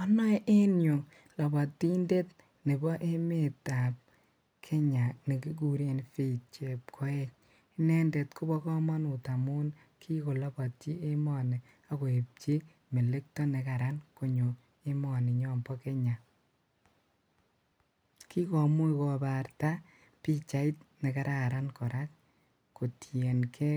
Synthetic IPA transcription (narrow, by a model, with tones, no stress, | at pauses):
ɔ˦nɔ˦ʔe˦njo˨ŋ | lɔ˨bɔ˨tːi˦nde˦t | ne˨bɔ˦ʔe˦me˨ta˨p̚ | kʰe˦ɲa˨ne˨ki˦k̬u˨ɾe˨nfi˦˨t̚t͡ʃe˨p̚kʰɔ˦e˦t͡ʃ | i˦nɛ˦nde˨tkʊ˦bɔ˦kɔ˦mɔ˦nu˨ta˨mu˦n | kʰi˦ko˨lɔ˦bɔ˨tt͡ʃi˦e˦mɔ˨ne˨ | a˦ko˨e˨p̚t͡ʃi˦ | me˨le˦k̚tɔ˦ne˨ka˨ɾanko˨ɲo˨ | e˦mɔ˨nɪ˨ɲɔ˦mbɔ˦ke˦ɲa˨ | kʰi˦kɔ˨mu˦ikɔ˨ba˨ɾta˦ | pi˦t͡ʃa˨i˦tne˨ka˦ɾʔa˨ɾa˦nkɔ˨ɾʔa˦k | ko˨tje˨nkʰe˦